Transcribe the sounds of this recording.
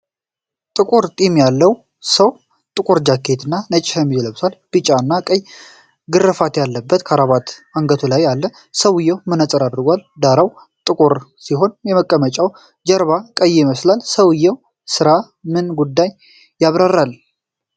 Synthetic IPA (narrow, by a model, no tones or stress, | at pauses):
t̪ʼɨkʼoɾt̪ʼimjalːəw | səw | t̪ʼɨkʼoɾd͡ʒakʰːet̪ʰɨnːanət͡ʃʼːɪhəmːid͡ʒɛləβsalb̥ɨt͡ʃʼːaɨnːakʼəj | ɡɨrːɨfat̪jalːəbːət̪kʰaɾaβat̪aŋɡət̪ʰulajːalːə | səwɨjːɛwmɨnat͡sʼəɾad̪ɨɾɡʷald̪aɾaw | t̪ʼɨkʼoɾsiɦo̞njɛməkʼːəmət͡ʃʼaw | d͡ʒəɾβakʼəjːɪməslalsəwɨjːɛw | sɨɾa | mɨnɡud̪ːajː | aβɾarːal